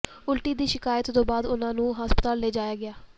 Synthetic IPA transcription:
ʊlʈiːd̪iːʃɪkaːjət̪t̪õːbaːd̪ʊnãːnũːɦaːspət̪aːlːeːd͡ʒaːjaːɡɪaː

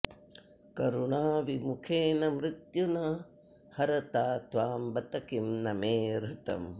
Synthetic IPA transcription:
kɐɾuɳaːʋimukʰeːnɐmɾɪt̪junɐ | hɐɾɐt̪aːt̪ʋaːmbɐt̪ɐkimnɐmeːɾut̪ɐ̰m

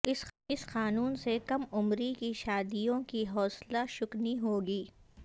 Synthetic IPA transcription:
ɪɪsxaːnuːnsekɐmʊmɾikiʃaːd̪ijõkiɦɔːslaʃʊkniɦoːɡiː

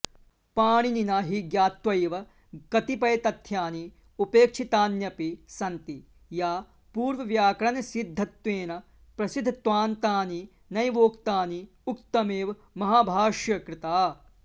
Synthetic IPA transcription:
paːɳ̃ininɐːɦiɡjaːt̪ʋɐjʋɐ | kɐt̪ipɐjt̪ɐt̪ʰjaːni | upeːkʂʰit̪aːnjɐpisɐnt̪i | jaː | puːɾʋɐʋjaːkɾɐnɐsid̪ʱːɐt̪ʋeːnɐ | pɾɐsid̪ʱt̪ʋaːnt̪aːni | nɐjʋoːkt̪aːni | uk̚t̪ɐmeːʋ | mɐɦaːbʱaːʃjɐkɾɪt̪aː

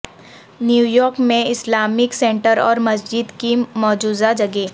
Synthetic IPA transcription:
njuːjɔːɾkmẽɪslaːmɪksẽːɳʈəɾɔ̰ːɾmɐs̬d͡ʒɪd̪kimɔːd͡ʒuːzad͡ʒɐɡeː

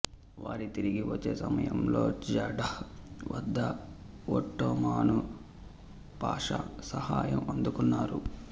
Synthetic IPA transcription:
ʋaːɾit̪iɾiɡiʋɐt͡ʃːe̞ːsɐmɐjɐmloːd͡ʒɐɖɐhʋɐd̪ːɐ | oʈːoːmaːnu | paːʂɐ̰sɐhaːjɐmɐnd̪ukunːaːɾu

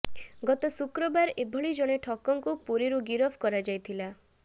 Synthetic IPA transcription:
ɡɔt̪ɔsukɾɔbaɾebʱɔɭid͡ʒɔɽ̃eʈʰɔkɔŋkupuɾiɾuɡiɾɔbʰʱkɔɾad͡ʒajt̪ʰila

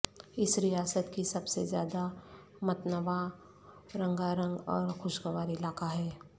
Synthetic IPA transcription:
ɪsɾɪjaːsət̪kisɐbsezjaːd̪a | mɐt̪nɐʋa | ɾɐ̃ŋɡaɾə̃ŋɡɔːɾxʊʃɡəʋaːɾɪlaːkaɦɛː

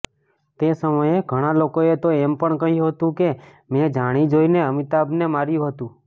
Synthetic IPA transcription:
t̪esəməjeɡʱəɽ̃alokoet̪oempəɳkəɦjũɦət̪ũke | med͡ʒaɽ̃id͡ʒoineəmit̪abnemaɾjũɦət̪ũ

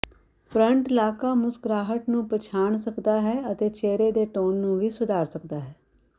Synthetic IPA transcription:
pɾəɳʈɪlaːkaːmʊsɡɾaːɦəʈnũːpət͡ʃʰaːɳsəkd̪aːɦɛːət̪eːt͡ʃeːɾeːd̪eːʈoːnːũːʋiːsʊd̪ʱaːɾsəkd̪aːɦɛː

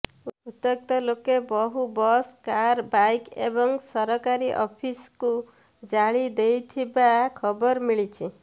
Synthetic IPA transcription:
uut̪ɔk̚t̪ɔlokebɔɦubɔskaɾbajkḛbɔŋsʌɾɔkaɾiʔɔ̰pʰisku | d͡ʒaɭid̪ejt̪ʰibakʰɔbɔɾmiɭit͡ʃʰi

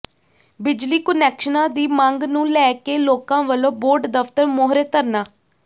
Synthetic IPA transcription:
bɪd͡ʒliːkənɛːkʃənãːd̪iːmãŋɡnũːlɛːkeːloːkãːʋəlõːboːɾɖd̪əpʰt̪əɾmoːɦɾeːt̪əɾnaː

